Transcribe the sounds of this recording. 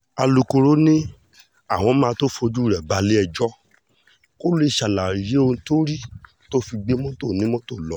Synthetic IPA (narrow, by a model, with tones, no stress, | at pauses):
a˧lu˨˧ko˧ɾo˦nĩ˦ | a˦˨w̃ɔ̃˧˦mãː˦˧to˦fo˧d͡ʒu˦˨ɾɛ˨ba˧le˦ɛ˧d͡ʒɔ˦ | ko˦li˦˧˨ʃa˨la˨i˨je˨˦o˧ñ˧to˦ɾi˦ | to˦fi˧ɡ͡be˦mɔ̃˦to˦˨nĩ˨˦mɔ̃˦to˦˨lɔ˨˦